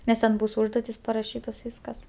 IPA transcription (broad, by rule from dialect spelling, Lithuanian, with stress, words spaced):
nʲɛs ˈtʲɛn ˈbuːs ˈʊʒduɔtʲɪs pɐrɐˈʃʲiːtoːs ˈʋʲiːskɐs